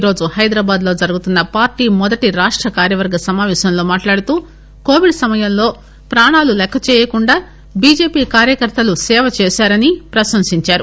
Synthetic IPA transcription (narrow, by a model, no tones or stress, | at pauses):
ɾo̞ːd͡ʒuhɐjd̪ɾaːbaːd̪lo̞ːd͡ʒɐɾuɡut̪unːɐpaːɾʈiːmɔd̪ɐʈiɾaːʂʈɾɐkaːɾjɐʋɐɾɡɐsɐmaːʋɛːʃɐmlo̞ːmaːʈlaːɽut̪uː | ko̞ːʋiɖsɐmɐjɐmlo̞ː | pɾaːɳaːlulɛkʰːɐt͡ʃɛːjɐkuɳɖaː | biːd͡ʒe̞ːpiːkaːɾjɐkɐɾt̪ɐlusɛːʋɐt͡ʃɛːʃaːɾɐnipɾɐʃɐmsiɲt͡ʃaːɾu